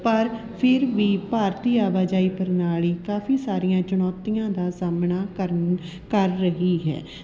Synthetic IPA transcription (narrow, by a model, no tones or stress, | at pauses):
pəɾpʰɪɾʋiːpaːɾt̪iːaːʋaːd͡ʒaːiːpəɾnaːliːkaːfʰiːsaːɾijãːt͡ʃʊnɔːt̪ːijãːd̪aːsaːmnaːkəɾ | kəɾːəɦiːɦɛ̰ː